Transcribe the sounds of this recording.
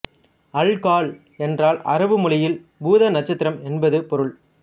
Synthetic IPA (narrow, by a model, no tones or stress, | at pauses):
ɐɭkaːɭ | ɛndraːlɐ̰ɾɐʋɯmʊɭɐjɪlbuːðɐnɐt͡ʃːɐt̪ːɪɾɐmɛnbɐðɯpɔɾɯɭ